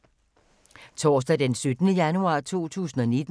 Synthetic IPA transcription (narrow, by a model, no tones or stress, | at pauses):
t͡sʰɒ̰ːs̬d̥æd̥ensød̥ənəjænuɑ̰̈ːt͡sʰo̝̰ːt͡sʰṵːs̬n̩ɒ̽ned̥